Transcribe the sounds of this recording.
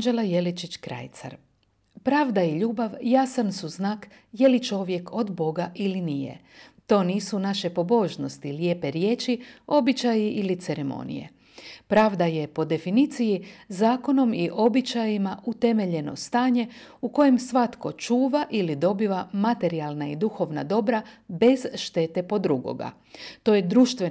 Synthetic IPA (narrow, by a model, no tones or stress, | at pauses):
d͡ʒelaje̞lit͡ʃit͡ʃkɾa̰jt̪sa̰ɾ | pɾaːʋd̪ajiʎuːbaʋjasansuznaːk | je̞lit͡ʃo̞ʋje̞kʰo̞d̪bo̞ɡaʔilinije̞̰ | t̪o̞ːniːsunaʃe̞po̞bo̞ʒno̞st̪iljepe̞ɾje̞ːt͡ʃio̞bit͡ʃajiʔilit̪seɾe̞mo̞̰nḭje̞̰ | pɾaːʋd̪aje̞po̞d̪e̞finit̪sijizaːko̞no̞miʔo̞bit͡ʃajimaʔut̪e̞me̞ʎe̞no̞̰st̪aːɲe̞ | uko̞jemsʋat̪ko̞t͡ʃuːʋaʔilid̪o̞biʋamat̪e̞ɾialˠnaid̪uxo̞ʋna̰d̪o̞bɾabe̞zʃt̪e̞t̪e̞po̞d̪ɾuɡo̞̰ɡa̰ | t̪o̞jed̪ɾuːʃt̪ʋe